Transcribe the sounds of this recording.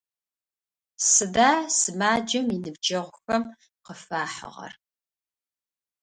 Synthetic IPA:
sɨdaːsɨmaːd͡ʒɐminɨbd͡ʒɐʁʷʊxɐm | qəfaːħə̰ʁɐ̰r

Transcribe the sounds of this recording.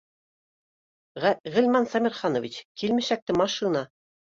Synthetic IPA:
ʁɘ̆lmɑnsɑmʲiɾχɑnovʲit͡ɕkilmɘʃæk̚t̪ɘmɑʃinɑ

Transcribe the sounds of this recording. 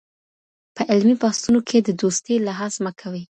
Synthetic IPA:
pəʔɪlmibɑst̪unokʰed̪əd̪ost̪elaɦɑzməkʰawi

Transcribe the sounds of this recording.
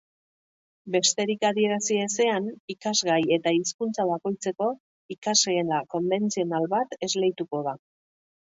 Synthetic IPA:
be̞st̪e̞ɾikaðie̞ɾasiese̞anikazɣaje̞t̪aiskunt͡saβ̞ako̞jt͡se̞ko̞ | ikazeːnako̞mbe̞nt͡sio̞nalβat̪e̞zlejt̪uko̞ða

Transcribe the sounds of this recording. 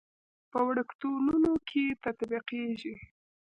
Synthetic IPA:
pəwɽəkt̪olunokʰet̪at̪biqeʒi

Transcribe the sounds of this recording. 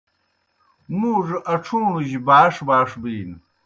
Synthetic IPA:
muʐɨʔaʈ͡ʂʰumɨʒbaːʂbaːʂbɨjin

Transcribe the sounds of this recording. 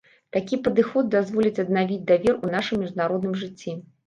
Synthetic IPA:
t̪akʲipɐd̪ɨxɔd̪̚d̪azvɔlʲit͡sʲɐd̪navʲid͡zʲd̪avʲɛrunaʂɨmːʲiʐd̪naɾɔd̪nɨmʐɨt͡sʲːi

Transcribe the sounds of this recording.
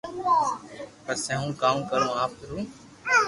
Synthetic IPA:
pəɾseɦũːkaːmkəɾũːaːp̚kɪɾũː

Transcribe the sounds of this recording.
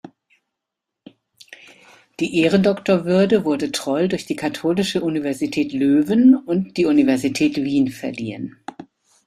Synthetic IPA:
d̥iːʔeːʁəndɔktoɐvʏɐdəvʊɐdətʁ̥ɔʏldʊɐçd̥iːkʰatʰoːlɪʃəʔunivɛɐzitʰɛːtløːvənʊntd̥iːunivɛɐzitʰɛːtv̥iːnfɛɐlḭːən

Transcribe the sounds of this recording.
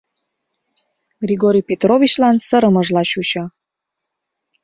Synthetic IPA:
ɡrʲiɣoɾʲijpet̪rovʲit͡ɕlɑnsəɾəməʒlɑɕut͡ɕɤ̆

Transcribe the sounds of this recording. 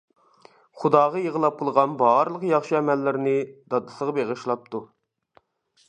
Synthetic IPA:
χud̪ɑːʁɑjəʁəlˠɑp̚qʰəlˠʁɑnbɑɾɨlˠəqjɑχʃiɛmɛlːɪɾnɪd̪̥ɑd̪ɨsəʁɑbeʁəʃlˠɑp̚t̪ʰu

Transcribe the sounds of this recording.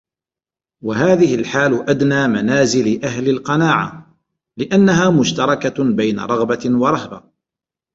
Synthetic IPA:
waɦaːðɪhɪlħaːlʊʔad̪naːmanaːzɪlɪʔaɦlɪlqɑnaːʕa̰ | lɪʔanːaɦaːmʊʃt̪ɑɾˤɑkabajna̰ɾˤɑɣbawɑɾˤɑhba

